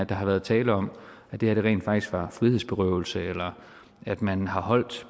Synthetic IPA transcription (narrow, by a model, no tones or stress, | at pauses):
æd̥ɑ̈ɦɑ̈ʋæːɐð̞̩ˠt͡sʰɛːləɒ̽mæd̥e̝hæɐdɾe̝ʁɛ̰ːnd̥fɑ̈ɡ̥d̥isɡ̥ʋɑ̈fʁiheð̰ˠsb̥e̝ʁœʊl̩səelɐ | æd̥mænhɑ̈ɦɒ̽l̰d̥